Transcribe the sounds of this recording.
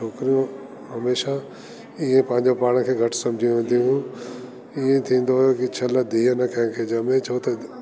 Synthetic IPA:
t͡ʃʰoːkɪɾijũ | ɦɐmeːʃa | iẽpɐ̃ɦɪ̃ɲd͡ʑopaːɽ̃kʰeːɡʱɐʈʰsɐ̃md͡ʑʱijũʋẽːn̆d̪ijũɦũ | iẽt̪ʰĩːn̆d̪ojokit͡ɕʰɐləd̪ʱiːɦənɐkʰɐ̃ɦɪ̃kʰeːd͡ʑɐmẽt͡ɕʰoːt̪ɐ

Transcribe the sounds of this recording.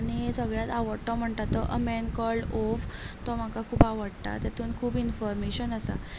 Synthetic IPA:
aɽ̃isəɡɭjat̪aʋəɽʈ̪ɔm̤əɳt̪at̪ːɔʔəmɛnkɔɭɖoft̪ɔm̤akakʰuːpaʋəɽt̪a̰t̪jat̪ʰuːnkʰuːbinfɔɾmeɕənəsa̰

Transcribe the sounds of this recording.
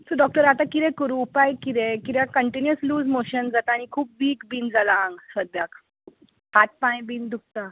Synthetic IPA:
səɖɔk̚ʈəɾat̪ãkiɾɛ̃kəɾũpajkid̪ɛkiɾjakəɳʈinjəsluːd͡zmoɕənd͡zat̪aːɽ̃ikʰuːp̚biːkbiːnd͡zalãŋɡsəd̪jak | pat̪̚pãj̃biːnd̪uk̚t̪a

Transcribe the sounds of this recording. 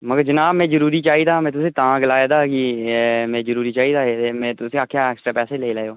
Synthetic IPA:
məɡəɾd͡ʒənaːbmɛ̃ːd͡ʒəɾuːɾiːt͡ʃaːɦiːd̪aːmɛ̃ːt̪ʊsĩːt̪ãːɡɪlaːjaːd̪aːkimɛ̃ːd͡ʒəɾuːɾiːt͡ʃaːɦiːd̪aːet̪emɛ̃ːt̪ʊsĩaːkʰjaːɛːksʈɾaːpɛːseːleːlaːeoː

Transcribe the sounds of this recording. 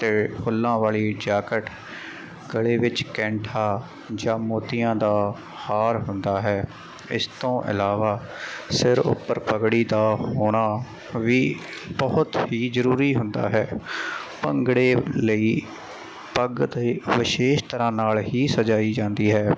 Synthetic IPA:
t̪eːkʰʊlːãːʋaːliːd͡ʒaːkəʈ | ɡəɭeːʋɪt͡ʃkɛ̃ːɳʈʰãː | d͡ʒãːmoːt̪ɪjãːd̪aː | haːɾɦʊnd̪aːɦɛː | ɪ̰st̪õːʔɪ̰laːʋaːsɪɾʊ̰pːəɾpəɡɽiːd̪aːɦoːɽ̃aː | ʋiːbəʊt̪ɦiːzəɾuːɾiːɦʊ̃nd̪a̰ːɦɛːpəŋɡɽeːləiː | pəɡd̪ːʋɪʃeːʃt̪əɾãːnaːlɦiːsəd͡ʒaːiːd͡ʒãːnd̪iːɦɛː

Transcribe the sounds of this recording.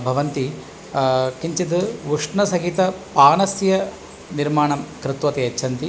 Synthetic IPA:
bʱɐʋɐnt̪i | kiɲt͡ʃid̪ɨʋuʂɳɐsɐɡit̪ɐpaːnɐsjɐ | niɾmaːɳɐmkɾɪt̪ʋɐt̪eɐt͡ʃːʃʰɐnt̪i

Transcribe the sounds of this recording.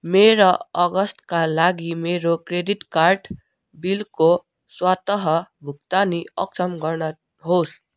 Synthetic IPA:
meɾʌʌɡʌst̪kalaɡimeɾokɾediʈkaɾʈ | bilko | swat̪ʌɦʌbʱukt̪aniʌksʌmɡʌɾnʌ | ɦos

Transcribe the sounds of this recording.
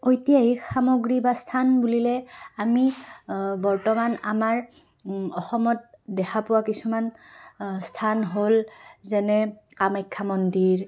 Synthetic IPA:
ojtijaixamoɡɹibastʰanbulilɛami | bɔɹtɔmanamaɹ | ɔxɔmɔt̚dɛxʰapʊwakisuman | stʰanɦolzɛnɛ | kamajkʰːamɔndiɹ

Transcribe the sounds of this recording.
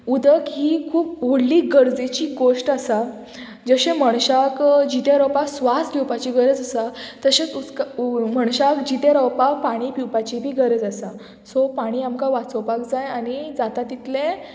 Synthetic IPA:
ud̪əkɦiːkʰuːp̚ɦuɽliːɡəɾd͡zet͡ɕiːɡoʂʈasa | d͡zəɕẽməɳɕakd͡ʑit̪eɾɔwpaksʋast̪ɡiwpat͡ɕiɡəɾd͡zəsat̪əɕet͡sut͡skməɳ̃ɕakd͡ʑit̪eɾəwpapaɽ̃ipiwpat͡ɕibʱiːɡəɾd͡zasa | sɔpaɽ̃iːamkaʋat͡sɔwpakd͡zajanid͡zat̪at̪it̪lẽ

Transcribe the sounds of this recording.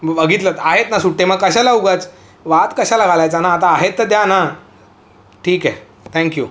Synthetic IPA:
ʋəɡit̪lət̪aɦet̪nasuʈːẽməɡkəɕalauɡat͡s | ʋat̪kəɕalaɡʱalajt͡sanaːt̪aːɦet̪ːəd̪jana | ʈʰiːkɛ | t̪ʰɛ̃ŋkju

